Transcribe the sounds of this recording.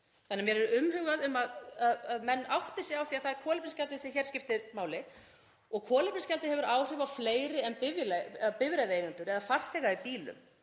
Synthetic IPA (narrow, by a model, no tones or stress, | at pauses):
θanːamjɛɾɛɾʏʏmːɦʏɣaðʏmaðaðaðmɛnːawht̪ɪsɪawθiaθaðɾkʰɔːlɪpɪnscalt̪ɪsɛçɛɾ̥scɪft̪ɪmaːwlɪ | ɔɣkʰɔːlɪpɪnscalt̪ɪhɛvʏɾaːwr̥ɪvafleːjɾɪɛmpɪvɪlpɪvɾejðɪeːjɣant̪ʏɾɛðafar̥θɛːɣaipiːlʏ̰m